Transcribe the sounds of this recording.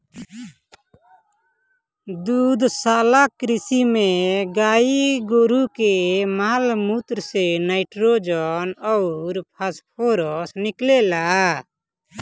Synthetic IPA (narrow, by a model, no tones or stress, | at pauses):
d̪ud̪salakɾisimeɡaiɡoɾukɛmalmut̪ɾsɛnajʈɾod͡ʒɔnɔwɾpʰaspʰɔɾɔsniklɛla